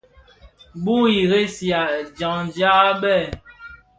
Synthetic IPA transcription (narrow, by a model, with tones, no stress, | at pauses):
bu˦i˨ɣe˦sja˨d͡ʒa˨ŋd͡ʒja˦a˦ɓɛ˦˨